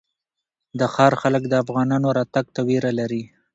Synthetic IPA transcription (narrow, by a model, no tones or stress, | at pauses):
d̪əxɑɾxaləkd̪əafɣɑnɑnoɾɑt̪aɡ̚t̪aweɾalaɾi